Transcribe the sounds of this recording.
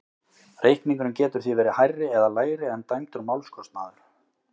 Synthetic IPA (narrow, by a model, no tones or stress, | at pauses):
rejhkniŋkʏnʏmcɛːt̪ʏɾ̥θivɛːɾɪhajrːɪɛðalaːjɾɪɛnt̪ajmt̪ʏɾmawlskɔst̪naːðʏɾ̥